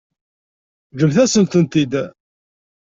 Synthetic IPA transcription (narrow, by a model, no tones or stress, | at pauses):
ʝəmθæsənt̪ənt̪id̪